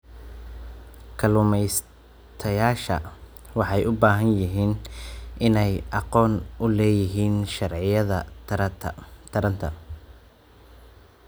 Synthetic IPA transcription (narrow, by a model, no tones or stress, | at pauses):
kʰɐlʊmɛjs | t̪ʰɐjaːʃɐ̰ | wɑħɑjʔʊbaːɦɐnjɪɦiːnʔɪnɛjʔɑqɔːnʔʊlɛːjɪɦiːnʃɑrʕɪjɐðɐ | t̪ʰɐɾɐnt̪ʰɐ